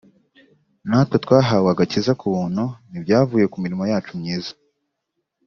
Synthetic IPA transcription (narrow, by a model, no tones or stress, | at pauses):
naːtwetwaːɦawaɡacizakuβuːn̥hunibjaːvuːje̞kumiɾimojaːt͡ʃumɲiːza